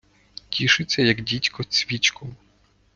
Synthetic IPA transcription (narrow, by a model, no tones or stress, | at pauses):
tʲiʃɪt͡sʲːɐjɐɡdʲitʲkɔt͡sʲʋʲit͡ʃkʊ